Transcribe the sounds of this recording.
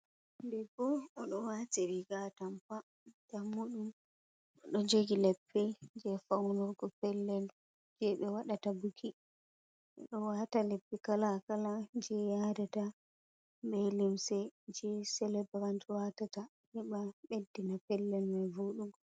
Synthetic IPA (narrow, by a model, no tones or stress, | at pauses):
bɛbɔɔɗɔwatiɾiɡatamfa | damːuɗum | ɔɗɔd͡ʒeɡilɛpːɛd͡ʒɛfawnɔɾɡɔpɛlːɛl | d͡ʒɛɓɛwaɗatabukʰi | ɛ̰ɗɔwatalepːikalakalad͡ʒɛjadɛta | bɛlimsɛd͡ʒɛsɛlɛbɾantwatata | hɛɓaɓedːinapɛlːɛlmɛvoɗuɡ